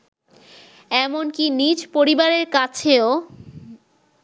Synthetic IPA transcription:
ɛmonkinid͡ʑpoɾibaɾeɾkat͡ɕʰeo

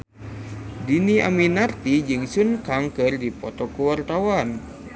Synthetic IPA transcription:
dinia̰minart̪id͡ʒɨŋsunkaŋkɨrdipɔt̪ɔkuwart̪awan

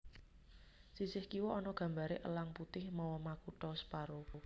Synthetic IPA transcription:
sisɪhkiwɔʔɔnɔɡ̥ä̤mbaɾeʔə̰laŋput̪ɪhmɔwɔmakuʈɔspaɾu

